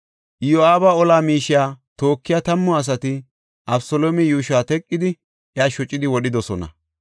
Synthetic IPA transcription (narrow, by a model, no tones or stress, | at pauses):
joaːbaːɔlaːmiːʃɪjaːt̪o̞ːkːɪjaːt̪ɐmːɔɐs̬ɐt̪ɪ | ʔɐbsoloːmɛjuːʃaːt̪ɛkʼːɪd̪ɪ | ʔjaːʃɔt͡ʃʼːɪd̪ɪwɔɗɪd̪ɔsɔnɐ̰